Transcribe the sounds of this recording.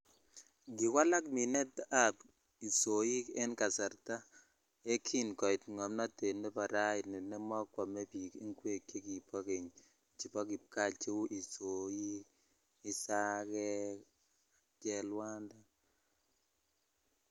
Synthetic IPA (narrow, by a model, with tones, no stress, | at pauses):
ɡi˨kwa˦la˦kmi˨nɛ˦ta˦˨p | i˨so˨ji˦kɛ˦nka˨sa˨ɾta˦ | e˦kʰi˦nkɔ˨ɪ˨tŋɔ˨mna˦te˨ne˦pa˨ɾa˦i˨ni˨nɛ˦mɔ˦kwa˨me˦pi˨kḭ˦ŋkwe˦˨kːe˦ki˨pʰɔ˦ke˨ɲ | t͡ʃi˨pɔ˦ki˨p̚ka˦˨t͡ʃe˦wʔi˨so˨ji˦k | i˦sa˦kɛ˦ | t͡ʃɛ˦lwa˦nda˦